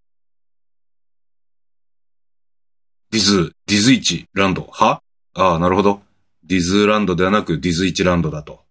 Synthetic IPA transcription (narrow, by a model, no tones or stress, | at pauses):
d̪ʲizɨd̪ʲizɨit͡ɕiɾãnd̪o̞ha | aːnaɾɯ̟ho̞d̪o̞ | d̪ʲizɨɾãnd̪o̞d̪e̞βanakɯ̟d̪ʲizɨit͡ɕiɾãnd̪od̪at̪o̞